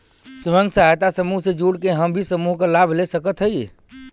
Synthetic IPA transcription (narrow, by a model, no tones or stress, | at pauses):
sʋə̃ŋɡsaɦt̪asəmuɦsed͡ʒuɽkeɦəmbʱisəmuɦkəlabʱlesəkət̪ɦəj